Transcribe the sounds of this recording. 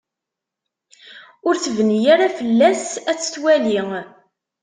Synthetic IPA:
ʊɾθəvənijaɾafəlːæsæt͡sːə̥θwæliŋ

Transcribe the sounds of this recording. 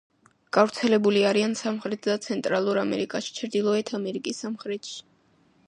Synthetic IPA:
ɡ̥avɾt̪sʰɛlɛbuliaɾiansamχɾɛt̪ʰd̪at̪sʰɛnt̪ʼɾalˠuɾamɛ̰ɾikʼaʃi̥t͡ʃʰɾd̪ilˠɔɛt̪ʰamɛɾikʼisːamχɾɛt̪ʰʃi̥

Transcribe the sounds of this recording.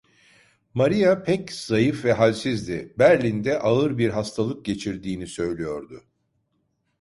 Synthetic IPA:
maɾijapʰɛcz̥ajɯfvɛɦalʲsizd̪ɪbæɾlʲind̪ɛʔaɯɾbiɾɦast̪ʰalˠɯk̚ɟe̞t͡ʃʰiɾd̪iːnisø̞jlʲijo̞ɾd̪ʊ

